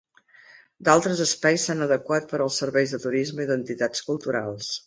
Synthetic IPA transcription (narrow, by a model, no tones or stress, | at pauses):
d̪alˠt̪ɾəzəspajsanəðəkwat̪̚pəɾəlˠsəɾβɛjzðət̪uɾizməiðənt̪it̪at͡skulˠt̪uɾa̰lˠs